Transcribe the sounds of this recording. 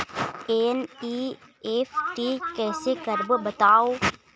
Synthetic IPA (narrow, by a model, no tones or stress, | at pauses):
eːniːeːfʰʈiːkɛːsekəɾbbɐt̪aːoː